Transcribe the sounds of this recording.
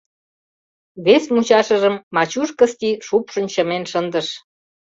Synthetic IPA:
βesmut͡ɕɑʃəʒəmːɑt͡ɕuʃkə̆st̪iʃupʃə̆nt͡ɕə̆menʃənd̪əʃ

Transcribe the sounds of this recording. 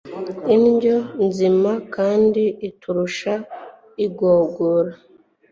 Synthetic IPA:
inɟonzimakaːndiːtʰuɾuʃa | iɡoːɡoɾa

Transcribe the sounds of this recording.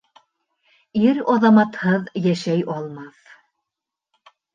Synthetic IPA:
iɾɒðɑmɑt̪hɤðjæʃæjɒlˠmɑθ

